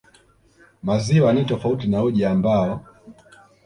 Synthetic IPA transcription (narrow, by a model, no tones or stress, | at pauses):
maziwanitɔfautinauʄaambaɔ